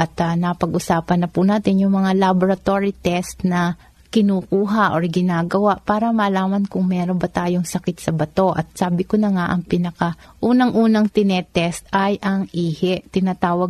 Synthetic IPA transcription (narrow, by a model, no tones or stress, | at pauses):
ʔɐt̪ɐnɐpɐɡʔʊsaːpɐnːɐpunaːt̪ɪnjʊŋmɐŋalaboɾɐt̪oːɹɪt̪ɛst̪nɐ | kɪnuːkuːɦɐʔoɹɡɪnaːɡɐwaʔpaːɾɐmɐlaːmɐnkʊŋmɛːɾonbɐt̪aːjoŋsɐkɪt̪sɐbɐt̪o̞ʔɐ̰t̪̚saːbɪkonɐŋaʔɐŋpɪnɐkɐʔuːnɐŋʔuːnɐŋt̪ɪnɛt̪ɛst̪ɐjʔɐŋʔiːhɛʔt̪ɪnaːt̪aːwɐɡ